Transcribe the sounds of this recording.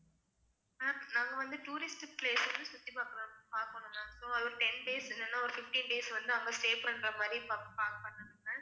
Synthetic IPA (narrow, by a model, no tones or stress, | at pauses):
naːnãːŋɡɐʋɐnd̪ɯʈuːɾɪsʈpleːsɐnɯsʊt̪ːipaːɾkɯɾõpaːɾkɐɳʊ̃nãːsoːɐʋɐɾɯʈɛnɖeːsɛnːɐnːãːɔɾɯfɪfʈĩːnɖeːsʋɐnd̪ɯɐŋɡɐsʈeːpɾɐnɖɾɐmaːd̪ɾipapaːkpɐɳːɐɳɯŋɡɐ